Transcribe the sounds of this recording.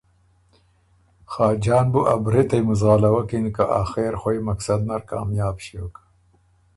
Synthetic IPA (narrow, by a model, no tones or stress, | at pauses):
xɑːd͡ʒɑːnbuʔabɾet̪ɐjmuzɣɑːlawakinikaʔaːxeɾxojmaksad̪naɾkɑ̰ːmjɑːbʃiokḁ